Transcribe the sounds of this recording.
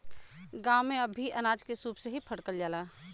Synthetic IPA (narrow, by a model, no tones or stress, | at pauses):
ɡãːwmẽɐbʱːiʔɐnaːd͡ʒkesuːpseɦipʰəɽkəld͡ʒaːlaː